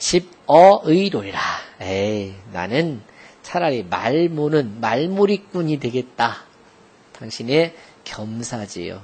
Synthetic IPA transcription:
t͡ɕib̚ʌɯiɾoɾiɾaena̰nɯnt͡ɕʰaɾaɾima̰ɭmonɯnmaɭmuɾik͈uɲidwe̞ɡe̞t̚t͈a | taŋɕʰine̞kjʌmsʰad͡ʑḭjo̰

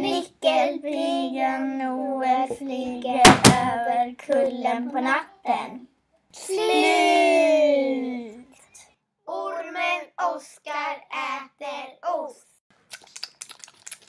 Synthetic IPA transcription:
nɪkːəlbɾiːɡanuːəfliːɡaøːvəɾkʰɵlːənpʰɔnat̪ːən | t̪ | ʊɾmənɔskaɾɛːt̪əɾɔs

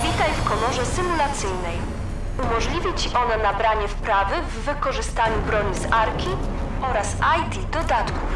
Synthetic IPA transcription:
vʲit̪ajfkɔlɔʐɛsɘmulat̪sɘjnɛj | umɔʐlʲivʲit͡ɕiʔɔnɛnabɾaɲɛfpɾavɘvːɘkɔʐɘst̪aɲubɾɔɲizaɾkʲi | ɔɾasajt̪ʲid̪ɔd̪at̪kuf

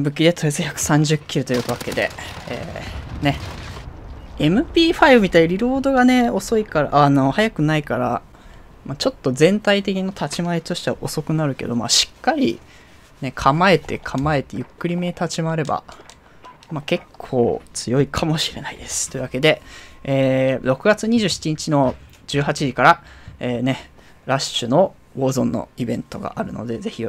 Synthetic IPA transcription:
bɯ̟kʲid̪e̞t̪ojezɨçakɯ̟̥sãɲ̟d͡ʑɨkʲːiɾɯ̟t̪ojɯɯβake̞d̪e̞̰ḛːne̞ | e̞mɯ̟pʲiːɸaibɯ̟mʲit̪aiɾʲiɾo̞ːd̪o̞ɡane̞o̞so̞ikaɾa̰ʔano̞hajakɯ̟naikaɾa̰ | mat͡ɕo̞t̪ːo̞zẽ̞nt̪ait̪e̞kʲinot̪ʰat͡ɕimaet̪o̞ɕi̥t̪ea̰ʔo̞so̞kɯ̟naɾɯ̟ke̞d̪o̞̰ma̰ɕi̥kːaɾʲḭ | ne̞kʰamae̞t̪e̞kʰamae̞t̪e̞jɯ̟kːɯ̟ɾʲime̞t̪ʰat͡ɕimaːɾe̞ba̰ | make̞kʰːo̞̰ːt͡sɨjo̞ikʰamo̞ɕi̥ɾe̞naid̪e̞sɨ̥t̪ːo̞iɯ̟βake̞d̪e̞eːɾo̞kɯ̟ɡat͡sɨɲ̟iʑɨːɕi̥t͡ɕiɲ̟it͡ɕino̞ | d͡ʑɨːɦat͡ɕiʑikaɾaeːne̞ | ɾaɕɨno̞ | ɡo̞ːzõ̞nːo̰ibẽ̞nt̪o̞ɡa̰ʔaɾɯ̟̰no̞̰d̪e̞ze̞çʲi

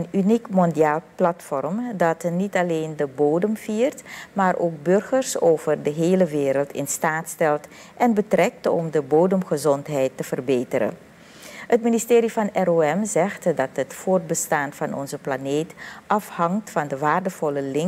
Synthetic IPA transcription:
ənynikmɔndiaːlˠplɑtfɔrmdɑtnitɑleːndəboːwdəmv̥iːrtmaːrʔoːk̚bɵrχərsoːwvərdəɦeːləʋɪːɾəlˠtɪ̰nstaːtstɛlˠt | ʔɛnbətrɛk̚tɔ̰mdəboːdəmχəzɔntɦɛjtːəv̥ərbeːtəɾə̰ | hətministeːɾivɑnɛroːɛmzɛxtdɑtɦətfoːrt̚bəstaːnvɑnʔɔ̰nzəplaneːtʔɑfhɑŋtfɑndəʋaːrdəv̥ɔləlɪŋ

